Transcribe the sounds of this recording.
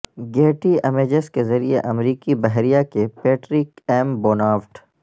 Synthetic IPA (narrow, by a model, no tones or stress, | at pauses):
ɡeːʈiɐmeːd͡ʒeskezɐɾieʔɐmɾiːkibɛɦɾijakepeːʈɾikɛːmboːnaːʋʈ